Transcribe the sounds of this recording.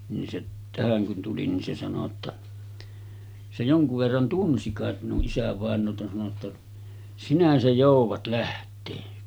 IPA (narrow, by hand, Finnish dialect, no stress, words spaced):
nin se tæhæŋ kun tuli ni se sɑno tːɑ se joŋkuʋ ʋerːɑn tunsi kɑˑet minuʔ ʔisæʋɑˑenˑoːtɑ sɑno tːɑ sinæ se joˑuʋɑt læhtˑeː